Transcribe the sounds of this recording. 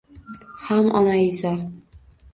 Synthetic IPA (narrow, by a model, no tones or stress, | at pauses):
hamʔɒnaɪzaɾ